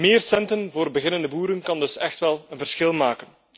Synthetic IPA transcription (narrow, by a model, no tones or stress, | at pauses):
meːrsɛntənvoːrbəɣɪnəndəbuːɾənkɑndɵsɛxtʋɛlˠənvərsxɪlˠmaːkən